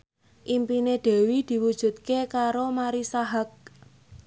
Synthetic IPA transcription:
ʔimpined̪̥ɛ̤wid̪̥i̤wud̥ʒ̥ṳt̪̚kekaɾomaɾisaɦak̚

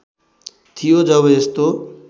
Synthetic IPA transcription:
t̪ʰijod͡zʌβʌest̪o

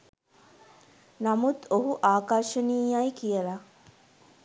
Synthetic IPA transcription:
namut̪oɦuʔaːkaɾʃəniːjajkijəla

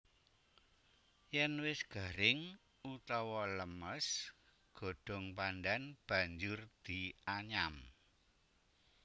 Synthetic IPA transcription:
jɛnwɪsɡ̥a̤ɾɪŋ | ut̪ɔwɔləməs | ɡ̥o̤ɖ̥ɔ̤ŋpandanb̥a̤ɲd͡ʒʊrd̪̥i̤aɲam

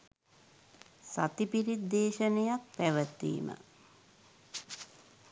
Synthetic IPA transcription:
sa̰t̪ipiɾid̪ːeːʃənejak̚pæʋət̪ːḭːmə̰

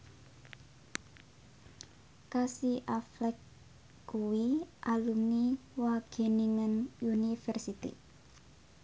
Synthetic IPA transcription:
kasiʔaflɛkː | uwiʔalumiwaɡ̥e̤niŋənunifɛrsit̪ḭ

